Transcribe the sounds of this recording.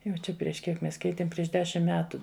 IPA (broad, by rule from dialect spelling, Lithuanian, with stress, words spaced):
ˈjɛʊ t͡ʃʲɛ pʲrʲiɛʃ ˈkʲiɛk ˈmʲɛs ˈkʲɛɪtʲeːm ˈpʲrʲiɛʃ ˈdʲæːʃʲɪm ˈmʲæːtʊ